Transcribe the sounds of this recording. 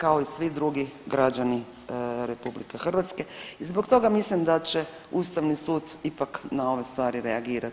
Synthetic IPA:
kao̞isʋid̪ɾuɡiɡɾad͡ʒani | ɾe̞publikexr̩ʋat̪ske̞izbo̞kt̪o̞ɡamislimd̪at͡ɕe | uːst̪aʋnisuːd̪ipaknao̞ʋe̞st̪ʋaːɾiɾeaɡiːɾat̪

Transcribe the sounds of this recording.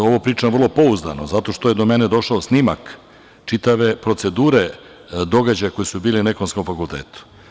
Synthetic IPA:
o̞ʋopɾiːt͡ʃaʋər̩lˠo̞po̞uzd̪a̰nozat̪o̞ʃt̪o̞je̞d̪o̞me̞ne̞d̪o̞ʃaosnima̰k | t͡ʃit̪aʋe̞pɾo̞t̪se̞d̪uːɾe̞ | d̪o̞ɡad͡ʑajako̞jesubiːline̞konsko̞mfakulˠt̪ḛːt̪u̥

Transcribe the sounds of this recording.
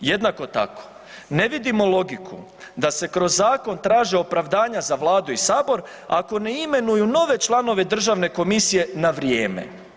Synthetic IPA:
jed̪nako̞t̪a̰ko̥ | ne̞ʋid̪imo̞lˠo̞ɡikʰṵ | d̪ase̞kɾo̞zːaːko̞nt̪ɾaːʒeo̞pɾaʋd̪aːɲazaʋlˠaːd̪uisaːbo̞ɾ | ako̞ne̞ime̞nujuno̞ʋe̞t͡ʃlˠano̞ʋe̞d̪r̩ʒaʋne̞ko̞misije̞naʋɾjeːmḛ

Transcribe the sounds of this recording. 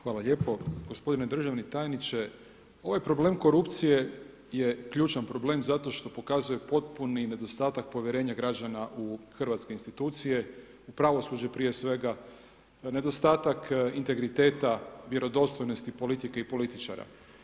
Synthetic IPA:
xʋaːlaʎe̞ːpo̞ɡo̞spo̞d̪ined̪r̩ʒaʋnit̪ajnit͡ʃe | o̞ʋajpɾo̞ble̞ːmko̞ɾupt̪sije̞ | je̞kʎuːt͡ʃanpɾo̞ble̞mzat̪o̞ʃt̪o̞po̞kazuje̞po̞t̪punine̞d̪o̞st̪aːt̪ak̚po̞ʋʲjeɾe̞ːɲaɡɾad͡ʒanaʔuxrʋat̪skeinst̪it̪uːt̪sije̞ | upɾaʋo̞sud͡ʑepɾije̞sʋe̞ɡa | ne̞d̪o̞st̪aːt̪akint̪e̞ɡɾit̪e̞ːt̪aʋje̞ɾo̞d̪o̞st̪ojnost̪ipo̞lit̪ikeipo̞lit̪it͡ʃa̰ɾa̰

